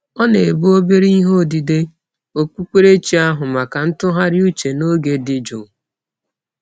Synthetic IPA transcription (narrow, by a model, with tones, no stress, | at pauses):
ɔ˦ne˨e˨bu˦o˦be˦ɾi˦ɦo˦˨di˨de˦ | o˨k͡pʷu˦kʷe˦ɾe˦t͡ʃi˨˦a˦ɦʊ˨ma˨ka˨n̩˦tʊ˦ɦa˦ɾɪ˦u˦t͡ʃe˨no˦ɡe˨dɪ˦d͡ʒʊ̰˨